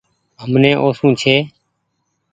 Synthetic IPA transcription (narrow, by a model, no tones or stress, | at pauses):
ɦəmnẽːʔoːsũːt͡ʃʰeː